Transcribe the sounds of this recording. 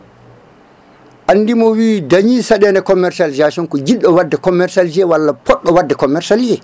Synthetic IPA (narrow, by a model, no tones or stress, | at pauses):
ʔanːdimɔwiːdaɲisaɗɛːndɛkɔmːɛɾsald͡ʒaʃɔnkɔd͡ʒiɗːɔwadːɛkɔmːɛɾsald͡ʒɛwalːapɔɗːɔwadːɛkɔmːɛɾsald͡ʒɛ